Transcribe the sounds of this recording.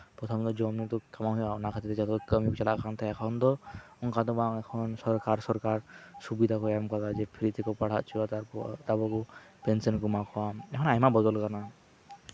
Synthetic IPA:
pɾɔt̪ʰɔmd̪ɔd͡ʒɔmnit̪ɔkamaɦijanakʰat̪it̪et͡ʃat̪ɔt̪ɔkəmjukt͡ʃalakant̪ʰaɛkʰɔnd̪ɔɔŋkad̪ɔbaŋɛkʰɔnsɔɾkaɾsɔɾkaɾsubid̪ʱakɔamkat̪ad͡ʒepʰiɾit̪ʰekɔpaɽ̤at̪̚t͡ʃʰilat̪aɔt̪abɔkupensɔnkumakʰɔwaɛkʰɔnajmabɔd̪ɔlkana

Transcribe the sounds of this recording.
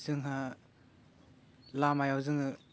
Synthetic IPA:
zɯŋɦa | lamajawzɯŋɯ

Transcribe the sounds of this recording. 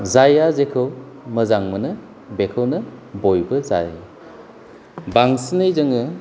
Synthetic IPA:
zajazekʰɯw | mɐzaŋmɐnɐ | bekʰɐwnɐbojbɐza̰j | baŋsinɯjzɐŋɯ

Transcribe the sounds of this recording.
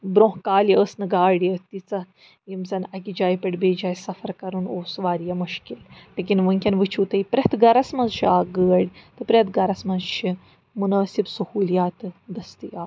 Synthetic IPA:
bɾõːɦkaːljəəsnɨɡaːɽjɐt̪it͡sɐ | jimt͡sɐnɐkid͡ʒaːjpɐʈbeːd͡ʒaːjsɐfɐɾkɐɾunoːsʋaːɾjɐmuʃkillek̬ʲinʋəŋkʲɐnʋɨt͡ʃʰuːt̪ɐipɾʲɐt̪ɡɐɾɐsmɐnzʃiaːɡəːɽʲt̪ɨpɾʲet̪ɡɐɾɐsmɐnzʃi | munaːsibsɐhuːljaːt̪ɨd̪ɐst̪ijaː

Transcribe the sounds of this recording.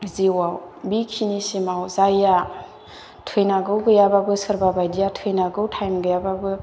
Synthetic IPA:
ziwawbikʰinisimawzaja | tʰɯjnaɡɯwɡɯjababɯsɯɾbabajdijatʰɯjnaɡɯwtʰajmɡɯjababɯ

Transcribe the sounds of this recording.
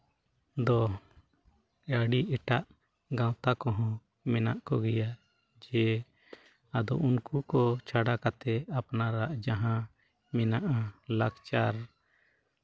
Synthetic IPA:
d̪ɔ | ɾaɽiʔɛʈaʔ | ɡãw̃t̪akɔɦɔ̃ | mɛnaʔkɔɡɛja | d͡ʒɛ | ad̪ɔ̰ʔunkukɔt͡ʃʰaɽakat̪ɛapnaɾaʔd͡ʒaɦã | mɛnaʔalaɡt͡ʃaɾ

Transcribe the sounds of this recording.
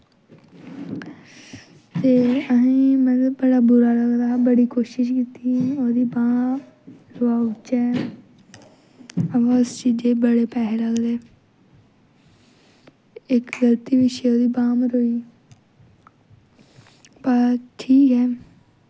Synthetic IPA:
t̪eːəɦĩːmɛ̃ːbəɽaːbʊɾaːləɡd̪aːbəɽiːkoːʃɪʃ̬kiːt̪ĩːoːd̪iːbaː | ɾoːaːʊt͡ʃɛː | əãʊst͡ʃiːd͡ʒeːbəɽeːpɛːɦeləɡd̪eː | ɪkɡəlt̪iːʋɪʃeːoːd̪iːbaːmɾoːiː | baʈʰiːkɦɛː

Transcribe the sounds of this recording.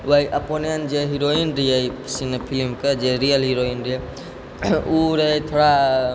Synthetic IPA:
ʋəjʔəponijənd͡ʒeɦiɾoinɾijəjsinəpʰilimked͡ʒeɾijəlɦiɾoinɾi | uɾet̪ʰoɽa

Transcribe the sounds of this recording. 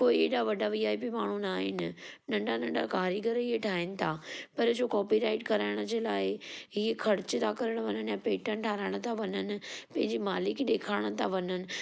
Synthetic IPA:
koːieːɗaʋɐɖʱaʋiːaːipimaːɳ̤unaːɦɪ̰nɪ̆nɐ̃ɳɖanɐ̃ɳɖakaːɾiɡəɾiɦeʈʰaːɦɪnɪ̆t̪ʰaːpɐɾd͡ʑoːkɔːpiɾaːɪʈkɐɾaːɪɽ̃ʊd͡ʑeːlaːɪɦikʰɐɾt͡ɕɪt̪ʰakɐɾəɽ̃ʋɐnənɪjãpeːʈənʈʰaːɾaːɪɽ̃ət̪ʰaʋɐnənɪ̆pɐ̃ɦɪ̃ɲd͡ʑimaːlɪkɗ̪eːkʰaːɪɽ̃̆t̪ʰaʋɐnənɪ̆

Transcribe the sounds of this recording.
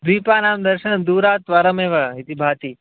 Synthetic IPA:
d̪ipanaːmd̪əɾʃənd̪uɾaːt̪ʋaɾəmeːʋəɦit̪ibʱaːt̪i

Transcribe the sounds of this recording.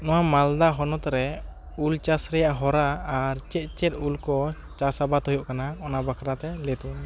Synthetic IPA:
nɔwamald̪aɦɔnɔt̪ɾɛ | ult͡ʃasɾɛjaʔɦɔɾaːɾt͡ʃɛt̪̚t͡ʃɛt̪̚ulkɔ | t͡ʃasabat̪hujɔʔkanaɔnabakʰɾat̪ɛlɛt̪u

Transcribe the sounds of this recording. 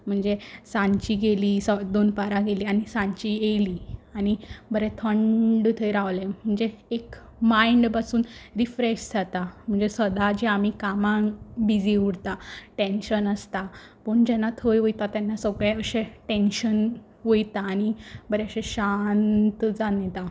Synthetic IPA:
m̤əɳd͡zesãɲt͡ɕiːɡeliːsəd̪onpaɾaɡeliːanisãɲt͡ɕielianibəɾɛt̪ʰəɳɖt̪ʰəjɾaʋlem̤əɳd͡zeːk | maiɳɖpasuːnɾifɾeɕd͡zat̪am̤əɳd͡zesəd̪ad͡ʑiamikamãbid͡ziuɽt̪aʈẽnɕənəst̪apəɳd͡ʑɛnːat̪ʰojʋojt̪at̪ɛnːasəɡɭɛəɕeʈenɕən | ʋojt̪aːɽibəɾeəɕẽɕant̪d͡zanɛt̪a

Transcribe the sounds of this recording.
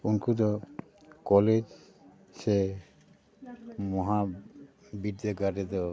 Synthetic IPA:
unkud̪ɔ | kɔled͡ʒ | se | mɔɦa | biɾd̪eɡaʈɛt̪ɔ

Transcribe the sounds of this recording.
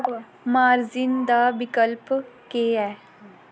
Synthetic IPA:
maːɾzɪnd̪aːbɪkəlpkeːɛː

